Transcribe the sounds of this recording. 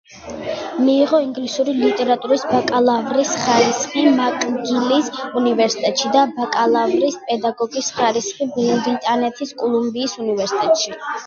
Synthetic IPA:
miːʁɔiŋɡlisuɾilit̪ʼɛɾat̪ʼuɾisbakʼalˠavɾisχaɾisχimakʼɡilisunivɛɾsi̥t̪ʼɛt̪ʼʃid̪abakʼalˠavɾispʼɛd̪aɡɔɡisχaɾisχibɛlɾit̪ʼanɛt̪ʰiskʼulˠumbiːsunivɛɾsit̪ʼɛt̪ʼʃi

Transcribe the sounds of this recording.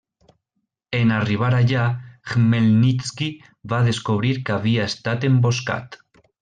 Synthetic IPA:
enariβ̞aɾaʝaɣmelnit͡ski | βaðe̞skoβ̞ɾiɾkaβiaest̪at̪e̞mbo̞ska̰t̪

